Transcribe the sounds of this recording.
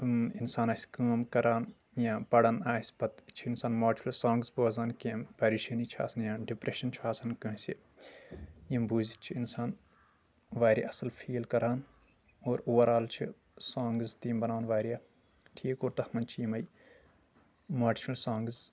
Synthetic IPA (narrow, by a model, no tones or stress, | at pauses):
insaːnaːsʲkaːmkɐɾʔaːn | jãːpɐɽɐnaːsʲbɐt̪t͡ʃʰiinsaːnmaːʈʰfɐlsaːŋɡzboːzaːnkempɐɾiʃɐnit͡ʃʰia̰ːsɐnjãːɖipɾeʃɐnt͡ʃʰiaːsɐnkɐ̃ɦsi | jimbuːzit͡ʃʰiinsaːn | ʋaːɾʲja̰ɐsɐlfʰiːlkɐɾaːn | oːɾuːɐɾaːlt͡ʃʰḭ | sãːŋɡzt̪iːmbɐnaːnʋaːɾijaː | ʈʰiːkoːɾt̪ɐhmɐnt͡ʃʰijimɐj | maːt͡ʃʰfɐlsaːŋɡz